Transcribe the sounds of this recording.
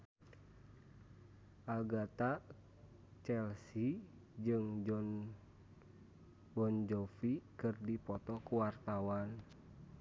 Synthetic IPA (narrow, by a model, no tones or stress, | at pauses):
ʔaɡat̪a | t͡ʃɛlsi | d͡ʒɨŋd͡ʒɔn | bɔnd͡ʒɔfikɨrdipɔt̪ɔkuwart̪awan